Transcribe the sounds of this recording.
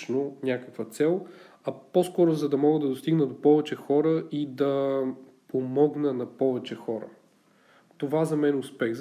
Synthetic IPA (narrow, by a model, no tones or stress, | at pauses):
nonʲakəkvət̪sɛlˠ | ɐposkɔɾozɐd̪ɐmɔɡəd̪ɐd̪ost̪iɡnəd̪opɔvɛt͡ʃɛxɔɾəʔid̪ɐ | pomɔɡnənɐpɔvɛt͡ʃɛxɔɾə̰ | t̪ovazɐmɛnʊspɛɣz